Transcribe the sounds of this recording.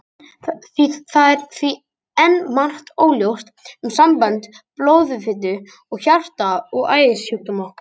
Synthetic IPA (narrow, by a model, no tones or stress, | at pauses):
θiθaðɛɾθvi | ɛnːman̥ht̪oːwljowst̪ʏmsampant̪ploːwðʏfɪt̪ʏ | ɔɣçar̥t̪aɔɣaːjðɪshuht̪ʏmɔhkḁ